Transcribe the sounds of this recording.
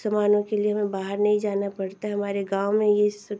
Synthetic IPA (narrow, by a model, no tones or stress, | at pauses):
sɐmaːnõkelieɦɐmẽbaːɦəɾnɐɦĩd͡ʒaːnapɐɽt̪aɦɛɦɐmaːɾeɡaːʊmẽjes